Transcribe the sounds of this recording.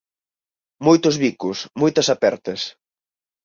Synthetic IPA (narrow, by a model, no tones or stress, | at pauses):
mojt̪ʊzβikʊsmojt̪ɐsapɛɾt̪ɐs